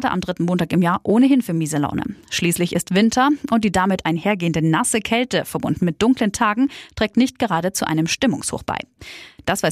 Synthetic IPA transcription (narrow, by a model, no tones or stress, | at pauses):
də̰ʔa̰mdʁɪtn̩moːntaːkɪmjaːɐʔoːnəɦɪnfyːɐmiːzəla̰ʊnə̰ʃliːslɪçɪ̰stv̥ɪntʰɐʔʊnt̚d̥iːdamɪtʰʔaɪnɦeːɐɡeːəndənasəkʰɛltəfɛɐbʊndn̩mɪt̚d̥ʊŋkləntʰaːɡŋ̩tʁ̥ɛːk̚tnɪçt̚ɡ̥əʁ̞aːɾət͡suʔa̰ɪnəmʃtɪmʊ̰ŋsho̰ːχb̥a̰ɪd̥asv̥aɪ